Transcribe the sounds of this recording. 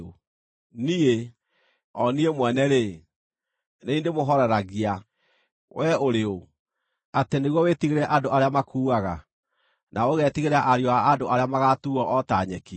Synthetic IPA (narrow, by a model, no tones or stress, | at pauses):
o | nie | ɔniemwɛnɛɾe | neindemoɦɔɾɛɾaɣia | wɛoɾeo | ateneɣwɔwetiɣeɾɛʔadoʔaɾeamakʰuːɣaɣa | nʔaoɣɛtiɣeɾaʔaɾjoaːdoʔaɾeamaɣatuɔʔɔtaɲɛki